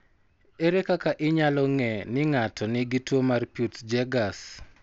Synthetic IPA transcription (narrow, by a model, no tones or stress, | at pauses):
eɾekakaʔɪɲalɔŋɛnɪŋatʰɔnɪɡitwomarpjutd͡ʒɛɡas